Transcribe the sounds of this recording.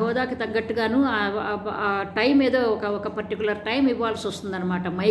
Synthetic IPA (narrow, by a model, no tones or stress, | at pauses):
ɦɔːd̪aːkit̪ɐŋɡɐʈːuɡaːnua | ʈɐjmeːd̪oːɔkɐɔkɐpɐɾʈikʲulɐɾʈɐjmiʋaːlɐsɐst̪und̪ɐnːɐmaːʈɐmɐ